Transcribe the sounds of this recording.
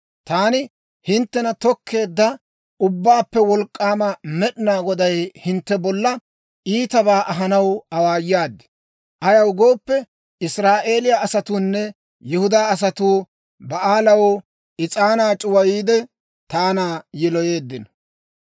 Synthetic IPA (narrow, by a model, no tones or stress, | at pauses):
t̪aːnɪ | hɪnt̪ːɛnɐt̪ɔkʰːe̞ːd̪ːɐ | ʊbːaːpːɛwɔlkʼːaːmɐmɛɗɪnaːɡɔd̪ɐjhɪnt̪ːɛbɔlːɐ | ʔiːt̪ɐbaːʔɐɦɐnɐwɐwaːjːaːd̪ːɪ̥ | ʔɐjɐwʊɡo̞ːpːɛ | ɪsɾaːʔe̞ːlɪjaɐsɐt̪uːnːɛ | jɪhʊd̪aːɐs̬ɐt̪uː | bɐʔaːlɐwɔ | ʔɪt͡sʼaːnaːt͡ʃʼʊwɐjiːd̪ɛ | t̪aːnaːjɛlɔje̞ːd̪ːɪnɔ̥